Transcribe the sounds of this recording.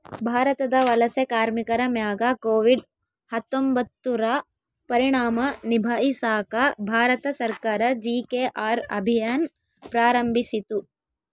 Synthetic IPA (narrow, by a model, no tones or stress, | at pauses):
bʱaːɾɐt̪ɐd̪ɐʋɐlɐsekaːɾmikɐɾɐmjaːɡakoːʋiɖ | hɐt̪ːombɐt̪ːuɾɐ | pɐɾiɳ̃aːmɐnibʱɐisaːkɐbʱaːɾɐt̪ɐsɐɾkaːɾɐd͡ʒiːkeːʔaːɾɐ̰bʱijaːn | pɾaːɾɐmbʱisit̪u